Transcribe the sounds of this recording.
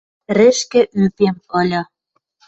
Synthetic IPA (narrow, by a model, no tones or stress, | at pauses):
rɘ̆ʃkɘ̆ʔypemɤ̆lʲɤ̆